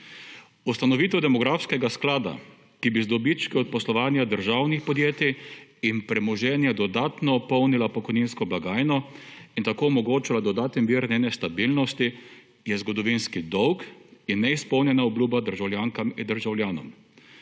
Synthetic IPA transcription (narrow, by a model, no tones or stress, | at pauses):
ust̪anɔʋiːt̪ɛwd̪ɛmɔɡɾafskɛɡasklaːd̪a̰ | kibizd̪ɔbit͡ʃkiɔt̪̚pɔslɔʋaːnjad̪əɾʒaːwnixpɔd̪jeːt̪iːnpɾɛmɔʒɛːnjad̪ɔd̪aːt̪nɔːpɔwnilapɔkɔjniːnskɔblaɡaːjnɔint̪akoːɔmɔɡoːt͡ʃilad̪ɔd̪aːt̪ɛnʋiːɾnɛːnɛst̪abilnɔst̪i | jɛzɡɔd̪ɔʋinskid̪ɔwkinːɛispɔwnjɛnaɔbluːbad̪əɾʒawljaːŋkamind̪əɾʒawljaːnɔ̰m